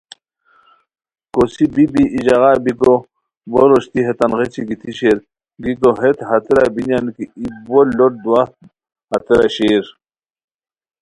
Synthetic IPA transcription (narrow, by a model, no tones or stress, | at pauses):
kosibibiʔid͡ʑɑɣɑbiko | boɾoɕt̪iɦet̪anʁet͡ɕiɡit̪ʰiɕeɾ | ɡikoɦet̪ɦɐt̪ɾa̰binjankiibollːoʈ̚d̪uwaht̪̚ | hɐ̰t̪ɾa̰ɕeːɾ